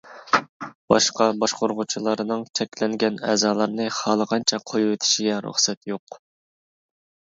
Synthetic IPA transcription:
b̥ɑʃqɑbɑʃqoɾʁʊt͡ʃʰilˠɑɾɨnɨŋt͡ʃʰɛkʲlɛŋɡʲɛnɛ̰ːzɑːlˠɑɾnɨχɑlˠəʁɑnt͡ʃʰɛqʰojuwɪt̪ʰɪ̥ʃiɡʲɛɾṵχsɛt̪joq

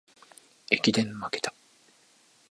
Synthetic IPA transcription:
ekʲid̪ẽ̞mːaket̪ḁ

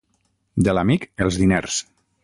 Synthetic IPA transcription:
d̪elamikelˠzðineɾs

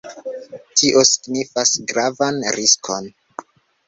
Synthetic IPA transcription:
tʰiʔo̞si̥ɡnifasɡɾavanɾiskʰo̞n

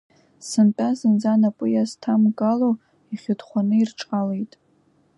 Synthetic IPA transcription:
sɨmt͡pʼazɨnzanapʼʊjastʰamɡalo | iχʲɨdχʷanɨirʈ͡ʂʼqʼalejtʼ

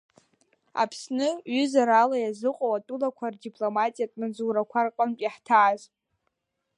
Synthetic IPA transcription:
a̰pʰsnɨɥʏzaɾalajazɨqʼowatʼulakʷʰardipʼlomatʼijatʼmad͡zuɾakʷʰarqʼəmpʼiħtʰaːz

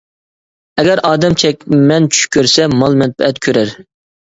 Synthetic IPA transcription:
ɛɡʲɛɾʔɑːd̪ɛmt͡ʃʰɛkʲmɛnt͡ʃʰy̥ʃkʲʰøɾsɛmɑlˠmɛt̪̚pʰɛɛt̪kʲʰøɾæɾ

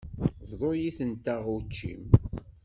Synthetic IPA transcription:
vðˤojiθənt̪əʁut͡ʃːḭm

